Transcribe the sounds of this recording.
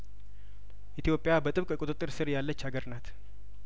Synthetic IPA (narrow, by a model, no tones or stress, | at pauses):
ʔit̪ʰijo̞pʼɪjabət̪ʼɨβkʼkʼot̪ʼɨt̪ʼːɨɾsɨɾjalːət͡ʃːhaɡəɾnat̪